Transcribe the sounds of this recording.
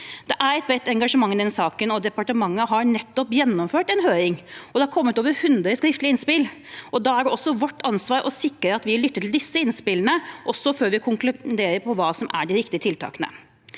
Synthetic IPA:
d̪̥ɛʔæɾɛt̪̚bɛt̪ɛŋɡɑʂəmɑŋːnd̪ɛnsɑːkənɔd̪ɛpɑʈəmɑŋːəɦɑɾnɛt̪ːɔpjɛnːɔmføːʈɛnɦøːɾɪŋɔd̪ɛhɑɾkʰɔmːət̪oːʋəɾhʉnd̪ɾəskɾɪft̪ləɪnspɪlɔd̪ɑæɖɔsːɔʋɔʈːɑnsʋɑːɾʔɔsɪkːəɾəɑt̪ʋɪlʏt̪ːət̪ʰɪld̪ɪsːəɪnspɪlːənəʔɔsːɔføːɾʋɪkʰʊŋklʉd̪eːɾəɾpʰɔʋɑːsɔmʔæ̰ɖɪɾɪkt̪ɪət̪ʰɪlt̪ʰɑ̰ːkənə̰

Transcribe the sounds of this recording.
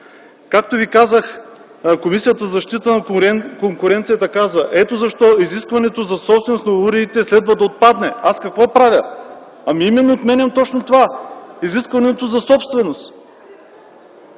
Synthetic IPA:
kak̚t̪ovikazəx | komisijət̪əzɐʃt̪it̪ənɐkoŋkʊɾɛnt̪sijət̪əkazvəʔɛt̪ozɐʃt̪ɔiziskvɐnɛt̪ozɐsɔpst̪vɛnosnɐuɾiːt̪ɛslɛd̪vɐd̪ɐot̪̚pad̪nɛaskɐkvɔpɾavʲə | ɐmiimɛnːoːt̪mɛnʲɐmt̪ɔt͡ʃnot̪ovaiziskvɐnɛt̪ozɐsɔpst̪vɛnost̪

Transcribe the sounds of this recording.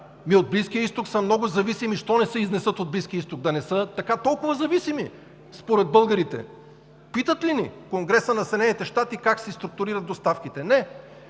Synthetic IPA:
miod̪̚bliskʲijəist̪oksəmnɔɡʊzɐvisimiʃt̪ɔnɛsəiznɛsɤt̪od̪̚bliskʲiəist̪oɡ̚d̪ɐnɛsɤt̪ɐkat̪ɔlˠkʊvɐzɐvisimi | spoɾɛd̪̚bɤlˠɡɐɾit̪ɛ̰ | pit̪ət̪linḭkoŋɡɾɛsənɐsɛd̪ɛnɛnit̪ɛʃt̪at̪ikaksist̪ɾʊk̚t̪ʊɾiɾɐd̪̚d̪ost̪afkit̪ɛnɛ

